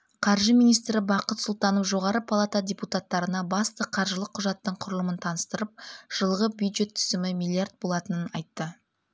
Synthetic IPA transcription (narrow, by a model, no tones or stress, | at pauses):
qʰɑɾʒəmijnijst̪ɾɪbɑqət̪sʊlˠt̪ɑnofʒo̞ʁɑɾəpʰalˠat̪adʲe̞put̪at̪ːɑɾənɑbɑst̪əqʰɑɾʒəlˠəqʰːʊʒɑt̪ːəɴqʰʊɾəlˠəmənt̪ʰɑnəst̪əɾəp̚ʒ̥əlˠʁəbjujd̪ʒe̞t̪ʰːʏ̥zɪmɪmilʲˠiard̪̚bo̞lˠɑt̪ənənɑ̰jt̪ːə